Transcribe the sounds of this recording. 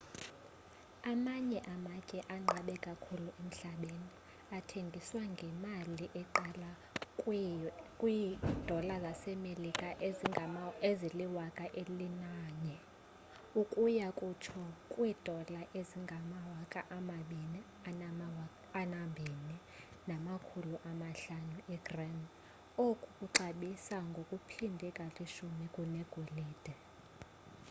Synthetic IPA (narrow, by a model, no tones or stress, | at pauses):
amaɲɛʔamacʼɛʔaŋ͡ǃʱaɓɛkʼakʰuluem̩ɬaɓeni | atʰeŋɡʱiswaŋɡʱɛmaliʔɛǃala | kʼwid̥ʱɔlazasɛmelikʼaʔ | eziliwakʼaʔelinaːɲɛ | ukʼujakʼut͡ʃʰɔkʼwiːd̥ʱɔlaʔeziŋɡʱamawakʼaʔamaɓini | a | anambʱini | namakʰuluʔamaɬanuʔɛɡ̥rɛn | okʼukʼuǀaɓisaŋɡʱokʼupʰindʱɛkʼaliʃumikʼunɛɡ̥ʱoliːd̥ʱɛ